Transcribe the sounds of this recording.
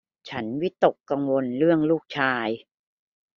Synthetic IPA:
t͡ɕʰa˦˥nwi˦˥t̪ːo˨˩kːa˧ŋwo˧nɾɯ˥˩əŋluː˥˩k̚t͡ɕʰaː˧j

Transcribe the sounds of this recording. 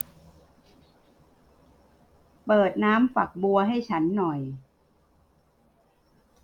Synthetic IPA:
pɤː˨˩t̪̚naː˦˥mfa˨˩k̚bu˧ɐɦa˥˩jt͡ɕʰa˦˥nːɔ˨˩j

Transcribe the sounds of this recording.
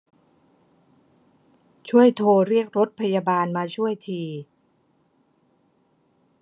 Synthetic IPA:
t͡ɕʰu˥˩əjt̪ʰoː˧ɾi˥˩ək̚ɾo˦˥t̪̚pʰa˧jaː˧baː˧nmaː˧t͡ɕʰu˥˩əjt̪ʰiː˧

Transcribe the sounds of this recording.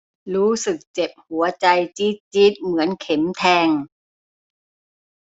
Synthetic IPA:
ɾuː˦˥sɯ˨˩k̚t͡ɕe˨˩p̚hu˩˦ɐt͡ɕa˧jt͡ɕi˦˥t̪̚t͡ɕi˦˥t̪̚mɯ˩˦ɐənkʰe˩˦mt̪ʰɛː˧ŋ

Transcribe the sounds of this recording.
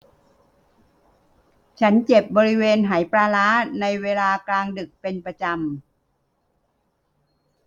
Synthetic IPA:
t͡ɕʰa˦˥nt͡ɕe˨˩p̚bɔː˧ɾi˦˥weː˧nɦaː˩˦jpɾaː˧laː˦˥na˧jweː˧laː˧klaː˧ŋdɯ˨˩k̚pe˧npɾa˧t͡ɕa˧m

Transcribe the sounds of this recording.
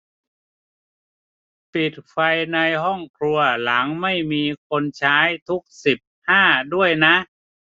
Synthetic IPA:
pi˨˩t̪̚fa˧jna˧jɦɔ˥˩ŋkʰɾu˧ɐla˩˦ŋma˥˩jmiː˧kʰo˧nt͡ɕʰaː˦˥jt̪ʰu˦˥k̚si˨˩p̚haː˥˩du˥˩əjna˦˥ʔ

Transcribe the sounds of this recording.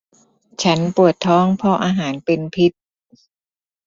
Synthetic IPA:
t͡ɕʰa˦˥npu˨˩ət̪ʰːɔː˦˥˩ŋpʰɔ˧ʔaː˧ɦaː˩˦npe˧npʰi˦˥t̪̚

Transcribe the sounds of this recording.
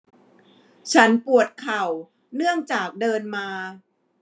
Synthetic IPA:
t͡ɕʰa˦˥npu˨˩ət̪̚kʰa˨˩w | nɯ˥˩əŋt͡ɕaː˨˩k̚dɤː˧nmaː˧

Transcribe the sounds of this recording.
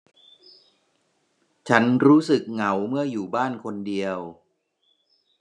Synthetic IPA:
t͡ɕʰa˦˥nɾuː˦˥sɯ˨˩k̚ŋa˩˦wmɯ˥˩ɐjuː˨˩baː˥˩nkʰo˧ndi˧əw

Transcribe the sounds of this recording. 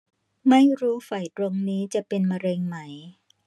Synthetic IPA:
ma˥˩jɾuː˦˥fa˨˩jt̪ɾo˧ŋniː˦˥t͡ɕa˨˩ʔpe˧nma˧ɾe˧ŋma˦˥j

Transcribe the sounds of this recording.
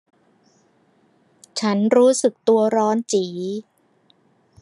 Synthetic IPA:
t͡ɕʰa˦˥nɾuː˦˥sɯ˨˩k̚t̪u˧ɐɾɔː˦˥nt͡ɕiː˩˦

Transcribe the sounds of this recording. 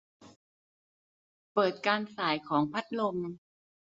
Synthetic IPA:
pɤː˨˩t̪̚kaː˧nsaː˩˦jkʰɔː˩˦ŋpʰa˦˥t̪̚lo˧m

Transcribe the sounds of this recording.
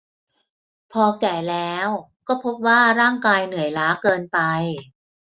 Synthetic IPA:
pʰɔː˧kɛː˨˩lɛː˦˥w | kɔː˥˩pʰo˦˥p̚waː˥˩ɾaː˥˩ŋkaː˧jnɯ˩˦ə˦jlaː˦˥kɤː˧npa˧j

